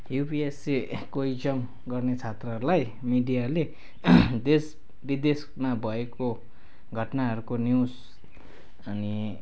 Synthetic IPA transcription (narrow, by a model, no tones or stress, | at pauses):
jupiesekoid͡zʌm | ɡʌrnet͡sʰat̪rʌɦʌɾulaj | miɖijale | d̪es | bid̪es | mabʱʌeko | ɡʱʌʈnaɦʌɾukonjus | ʌni